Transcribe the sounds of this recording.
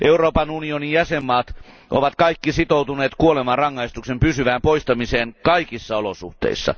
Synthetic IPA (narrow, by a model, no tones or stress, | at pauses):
ʔeuroːpɑnunionijæsemːɑːt̪ | ʔoʋɑt̪kɑikːisit̪out̪uneːt̪kuolemɑrɑŋːɑist̪uksempysyʋæːmpoist̪ɑmiseːnkɑikisːɑolosṵht̪ḛisːɑ̰